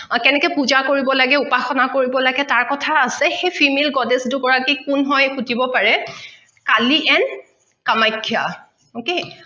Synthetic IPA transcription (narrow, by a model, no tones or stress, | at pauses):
kɛnɛkɛpuzakoɹibɔlaɡɛupaxɔnakoɹibɔlaɡɛtaɹkɔtʰaːsɛxejpʰimelɡɔdesdʊkɔɹakikʊnɦɔjxutibɔpaɹɛ | kaliʔɛn | kamajkʰːja̰ | oke